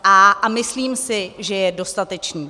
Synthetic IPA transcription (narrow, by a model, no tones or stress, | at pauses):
aʔamɪsliːmsɪʒɛjɛdo̞st̪at̪ɛt͡ʃniː